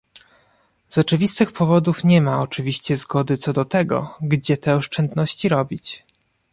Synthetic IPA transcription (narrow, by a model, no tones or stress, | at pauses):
zɔt͡ʂɘvʲist̪ɘxpʰɔvɔd̪ufɲɛmaɔt͡ʂɘvʲiɕt͡ɕɛzɡɔd̪ɘt̪sɔd̪ɔt̪ɛɡɔ̰ɡd͡ʑɛt̪ɛɔʂt͡ʂɛnd̪nɔɕt͡ɕiɾɔbʲit͡ɕ